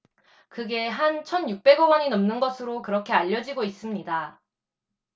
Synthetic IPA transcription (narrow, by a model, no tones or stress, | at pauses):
kɯɡe̞ɦant͡ɕʰʌnjuk̚p͈e̞ɡʌɡʌɲinʌmnɯnɡʌsʰɯɾokɯɾʌkʰe̞aʎːʌd͡ʑiɡois͈ɯmɲida